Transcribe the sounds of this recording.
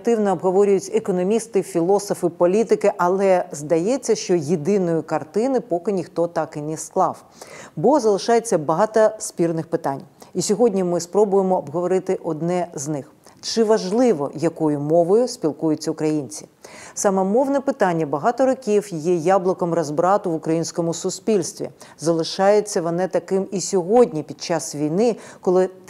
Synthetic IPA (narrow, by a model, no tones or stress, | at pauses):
t̪ɪwnɔːbɦɔʋɔɾʲʊjʊtʲekɔnɔmʲist̪ɪfʲilˠɔsɔfɪpɔlʲit̪ɪkɪʔɐlˠɛzd̪ɐjɛt͡sʲːɐʃt͡ʃɔjed̪ɪnɔjʊkɐrt̪ɪnɪpɔkɪnʲixt̪ɔt̪ɑkɪnɛsklˠɑw | bɔzɐlˠɪʃɑjet͡sʲːɐbɐɦɑt̪ɐsʲpʲirnɪxpɪt̪ɑnʲisʲɔɦɔdʲnʲimɪspɾɔbʊjemɔːbɦɔʋɔɾɪt̪ɪʔɔd̪nɛznɪx | t͡ʃɪʋɐʒlˠɪʋɔ̰jɐkɔjʊmɔʋɔjʊsʲpʲilˠkujʊt͡sʲːɐʊkɾɐjinʲt͡sʲi̥sɑmɛmɔwnɛpɪt̪ɑnʲːɐbɐɦɑt̪ɔɾɔkʲiwjɛjɑblˠɔkɔmɾɐzbɾɑt̪ʊʋʊkɾɐjinʲsʲkɔmʊsʊsʲpʲilʲst̪ʋʲḭzɐlˠɪʃɑjet͡sʲːɐʋɔnɛt̪ɐkɪmisʲɔɦɔdʲnʲipʲid̪̥̚t͡ʃɑsʋʲijnɪkɔlˠɪ